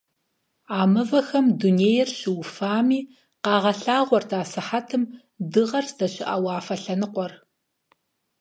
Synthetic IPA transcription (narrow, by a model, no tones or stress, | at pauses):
aːmɨvɐxɐmduneːjɛrɕɪwfaːmiː | qɑːʁɐɬaːʁʷɔrtʰaːsɨħatʰɨm | dɨʁɐrsz̥ɐɕɪʔa̰wɑːfɐɬɐnɨqʷɔr